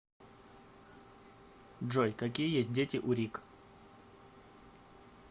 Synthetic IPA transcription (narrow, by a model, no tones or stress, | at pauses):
dʐojkɐk̬ʲijəjesʲt̚ʲdʲetʲɪʔʊɾʲik